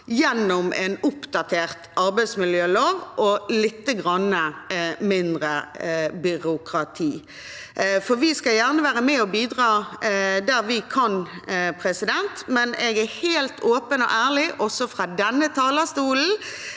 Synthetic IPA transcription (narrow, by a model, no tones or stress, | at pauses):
jɛnːɔmʔɛnʊpd̪̥ɑt̪ʰeːʁt̪ʔɑɾbæɪd̪smɪljøːloːʋʔɔlɪt̪ːəɡʁɑnːəmɪnd̪ʁəbʏɾʊkʰʁɑt̪ʰiː | fɔɾʋɪskɑljæʁnəʋæːʁəmɛɔbiːd̪ʁɑːd̪æʁʋɪkʰɑnpʰʁɛsɪd̪ɛnt̪mɛnɛɡæheːlt̪ʰoːpənɔ̰ʔæːʁlɪʔɔsɔfɾɑːd̪ɛnːət̪ʰɑːləst̪uːln̩